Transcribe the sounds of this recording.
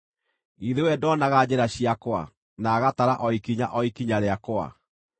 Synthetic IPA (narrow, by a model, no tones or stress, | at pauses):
iðewɛdɔnaɣad͡ʑɛɾaɕiakwa̰ | naːɣataɾaʔɔikiɲa̰ʔɔikiɲaɾeakoa̰